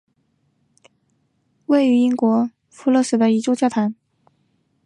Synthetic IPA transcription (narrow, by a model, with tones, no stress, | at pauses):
we˥˩ɪy˧˥i˥ŋkwɔ˧˥ | fu˧˥lɤ˥˩ʂɻ̩˥˩d̪ə˧i˧˥ʈ͡ʂo˥˧t͡ɕjɑ˥˩ʊt̪ʰa˧˥n